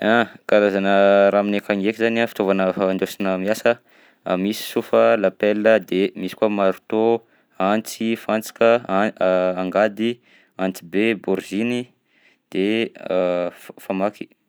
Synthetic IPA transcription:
akalazanəɾaːminekaŋekizanafi̥t̪ovanənɖ͡ʐosinəmiasə | misi̥sufəlapelːəd̪emisi̥kuamaɾu̥t̪o | ant͡sifant͡si̥kəaaŋɡad̪i | ant͡sibebuɾzini | d̪̥e | famaki̥

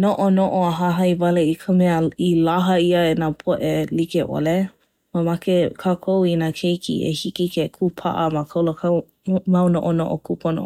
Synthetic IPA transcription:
noʔonoʔoaɦaɦɐjvaleikʰəmɛəilaɦəiəenapʰoʔelikeʔo̰le | mamakekʰakʰowinakʰejkḭʔḛhikikekʰupʰa̰ʔəmakʰowlokʰa | mawnoʔono̰ʔo̰kupʰono̰

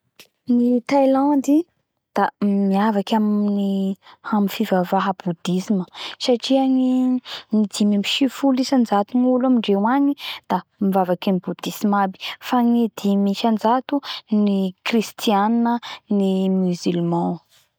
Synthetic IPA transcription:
nit̪ajlãnd̪i | d̪̥amiavakʲamniaminfivavaɦəb̥ud̪isiməsaʈ͡ʂiaŋinid̪imimiʃifulisand͡zat̪unulamiɳɖ͡ʐewanid̪̥amivavakanibud̪̥isimabi̥faŋid̪imiʃand͡zat̪unikrist̪ijaninənimyzylmã

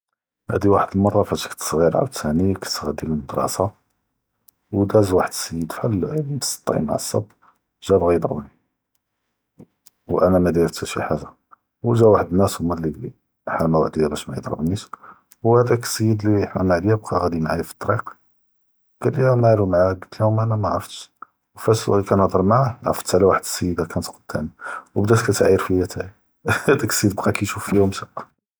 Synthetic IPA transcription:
hæ̰d̪iwaħəd̪əlmɑrˤːɑfæt̪kt̪sˤɣiɾʕa̰bt̪hænikə̥t̪ɣæd̪iləməd̪ɾˤɑ̰sɑ | wd̪æzwaħəd̪səjːəd̪fællməst̪ˤːḭma̰ʕəsˤːɑ̰b | ʒæbɣijəd̪ˤɾˤə̰bni | wʔænæmæd̪iɾt̪æʃḭħaʒa | wəʒæwaħəd̪ənːæsumælliɡli | ħæmæwa̰ʕd̪ijæbæʃmæjəd̪ˤɾˤə̰bniʃ | whæd̪æksəjːəd̪liħmæmaʕd̪jæb̚qɑɣæd̪imʕajæfi̥t̪ˤːɑɾiq | kæliæmalumʕaɡət̪ːlæhʊmʔænæmæʕɑɾft̪ | wfæsæ̰likænɑd̪ˤɑɾˤmaʕaʕɑ̰ft̪ʕlæwaħəd̪səjːəd̪akænt̪qəd̪̚t̪ʰːæ̰niwbd̪æt̪kæt̪ʕjːəɾfijæt̪ʰæj | hæd̪æksˤəjəd̪bqɑkæjʃufːijumsæʔ

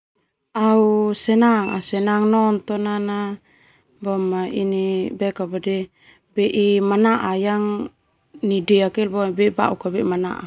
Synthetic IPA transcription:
ausɛnaŋa̰sɛnaŋnɔnt̪ɔnana | bɔmainibɛkabadɛ | bɛʔimanaʔajaŋ | nidɛakɛlbɔbɛba̰ukabɛʔimana̰ʔa̰

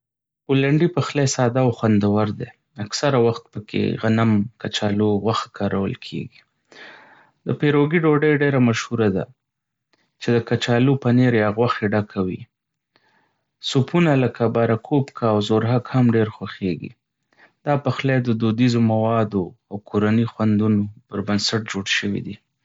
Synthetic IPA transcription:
olaɳɖipaxlesɑd̪aːwxwand̪awaɾd̪e | aksaɾawaxt̪̚pəkʰḛɣanamkat͡ʃɑloɣwaxkʰɑɾawə̰lkʰḛɡi | d̪əpeɾoɡiɖoɖəjɖeɾamaʃhuɾad̪a̰ | t͡ʃed̪əkat͡ʃɑlopaneɾjɑɣwaxeɖakʰawḭ | supʰunaləkabɑɾakʰopkʰaːwzoɾɦakhamɖeɾxwaxeɡḭ | d̪ɑpəxlajd̪əd̪od̪izomawɑd̪oawkʰoɾanixwand̪unopəɾbənsaʈ̚d͡ʒoɽʃəwḭd̪i

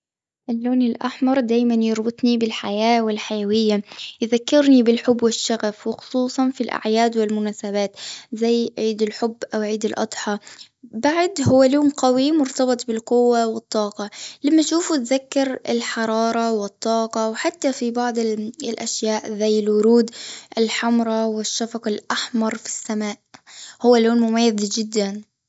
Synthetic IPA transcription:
ʔɪlːoːnɪlʔaħmɑɾˤd̪aːjmanjɑɾˤbɨt̪ˤnibɪlħajaːwɪlħajawɪjːajðakːɪɾnibɪlħʊbːwɪʃːaɣafwɪxʊ̥sˤuːsˤɑnfilʔa̰ʕjaːd̪wɪlmʊnaːsaβaːt̪zajʕiːd̪ɪlħʊbːʔawʕiːd̪ɪlʔɑ̰d̪ˤħɑ | baʕd̪ɦʊwːaluːnqawimʊɾt̪ɑbɨt̪ˤbɪlqʊwːawɨt̪ˤːɑːqɑlamːaʃuːfut̪ðakːɪɾɪlħɑɾˤɑːɾˤɑwɪt̪ˤːɑːqɑwħat̪ːafibɑʕd̪ˤɪlʔaʃjaːʔzajːɪlwʊɾuːd̪ʔɪlħamɾˤɑwɪʃːafɑqɑlʔaħmɑɾˤfi̥sːamaːʔhʊwːalːoːnmʊmajːɪðd͡ʒɪd̪ːan

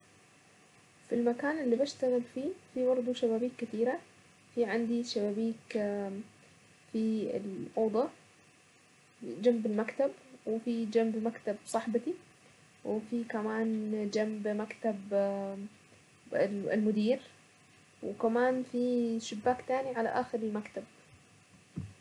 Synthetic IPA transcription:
filmakaːnʔɪlːibaʃt̪aɣɪlfiːfibɑɾˤd̪ˤuʃaβaːbiːkːɪt̪iːɾa | fiʕɪnd̪iʃabaːbiːk | fiɪ̰lʔɑːd̪ˤɑ | d͡ʒambɪlmakt̪abwɪfid͡ʒambmakt̪absˤɑħbat̪i | wɪfikamaːnd͡ʒambmakt̪ab | ɪ̰lmʊd̪iːɾ | wɪkamaːnfiʃɪbːaːkt̪aːniʕala̰ʔaːxɪɾɪlmakt̪ab̚

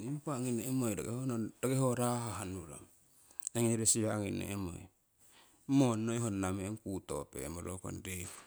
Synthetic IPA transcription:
impaŋineːmojda̰ɡehond̥aɡehoɾaɦaɦanuɾo̰m | eŋeɾesiβaːŋinḛʔemo̰j | monːoiɦonːameŋkuto̰pḛmoɾoko̰nde

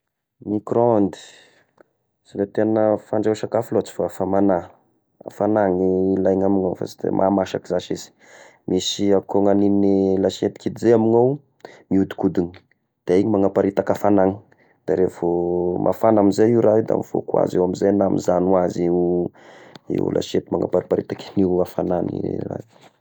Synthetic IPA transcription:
mikɾoond̪i̥ | silet̪enəfaɳɖ͡ʐewʃakafulot͡si̥fafamana | a̰fanaŋilajŋamiŋawfa̰sd̪ḛmʔa̰maʃakizaʃiz̥i̥ | misiakoŋaninilaʃiet̪i̥kid̪izeamiŋaw | miud̪i̥kud̪in | d̪̥aiɲimaŋapaɾit̪akafanaŋi̥ | d̪̥aɾevomʔa̰fanamizaiwɾaɦid̪a̰mifo̰kwa̰zewamizajnamizanwaziu | ḭṵlʔa̰ʃet̪imaŋa̰paɾipaɾit̪akiniafananḭra̰

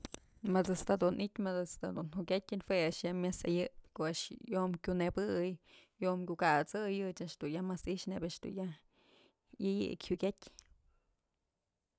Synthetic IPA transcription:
mat͡sast̪ad̪unʔit̪ʲmat͡sast̪ad̪unhuʔkʲatʲɨnhweaʔʂjamjasa̰jɨpkoaʔʂjomkʲunebɨjjomkʲukat͡sɨjɨt͡ʃaʔʂd̪̥ujamasiʃnebaʔʂd̪̥ṵnjah | jɨjɨ̰kʲhukʲatʲ

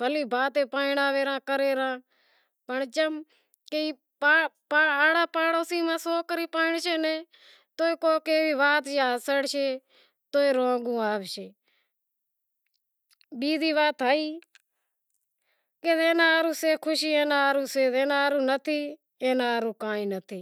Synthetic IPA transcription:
bʱəliːbʱaːt̪ẽːpaːɪɳaːʋeːɾãːkəɾeːɾãː | pəɳt͡ʃəm | keiː | pːpːaːɽaːpaːɽoːsiːmãːsoːkəɾiːpaːɪɳʃeːnẽː | t̪oːeːkoːkeːʋiːʋaːt̪d͡ʒaːsəɽʃeː | t̪oːeːɾõːɡũːaːʋʃeː | ɓiːd̪iːʋaːt̪ɦaːiː | keːzeːnaːɾũːseːkʰʊʃiːẽːnaːaːɾũːseːzeːnaːɾũːnət̪ʰiː | eːnaːɾũːkãːĩːnət̪ʰiː

